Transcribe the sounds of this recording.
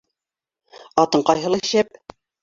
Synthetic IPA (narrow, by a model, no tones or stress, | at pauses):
ɑt̪ɤɴqɑjɦɤ̆lˠɑʃæp̚